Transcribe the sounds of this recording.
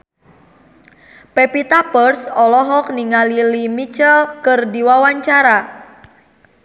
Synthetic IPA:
pepit̪apərsɔlɔɦɔk̚niŋalilimit͡ʃəlkərdiwawaɲt͡ʃaɾa

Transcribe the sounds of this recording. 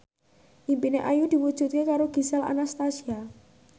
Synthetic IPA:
ʔimpineʔajud̪̥i̤wud̥ʒ̥ṳt̪̚kekaɾoɡ̥i̤sɛla̰nast̪asia

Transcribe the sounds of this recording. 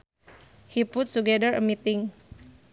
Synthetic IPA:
hiput̚tuɡɛdəɹəmit̪ɪŋ

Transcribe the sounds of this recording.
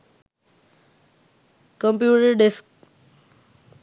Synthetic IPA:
kə̃mpjuːʈəɾɖesk

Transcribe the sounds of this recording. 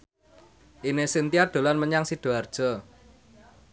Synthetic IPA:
ʔinesint̪iad̪̥o̤lanməɲaŋsid̪̥o̤ard̥ʒ̥ɔ̤

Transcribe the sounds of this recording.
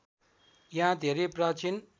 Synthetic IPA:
jɦãd̪ʱeɾeprat͡sin

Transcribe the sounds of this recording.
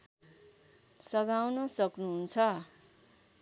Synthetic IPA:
sʌɡawnʌsʌknuɦunt͡sʰʌ

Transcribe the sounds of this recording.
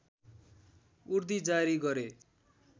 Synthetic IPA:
urd̪id͡zaɾiɡʌɾe

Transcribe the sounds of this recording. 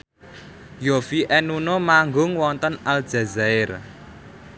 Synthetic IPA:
jofiʔɛnunomaŋɡʊŋwɔnt̪ənald̥d͡ʒ̥ä̤zaɪr

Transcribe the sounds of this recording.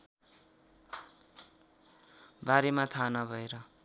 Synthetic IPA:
baɾemat̪ʰanʌbʱʌeɾʌ

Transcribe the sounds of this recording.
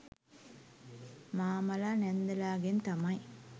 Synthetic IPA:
maːmɐlaːnɛnd̪ɐlaːɡent̪ɐmɐj

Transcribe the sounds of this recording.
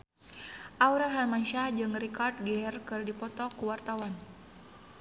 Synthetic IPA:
ʔauɾaɦalmanʃahd͡ʒɨŋrikard̚ɡɛrkɨrdipɔt̪ɔkuwart̪awan

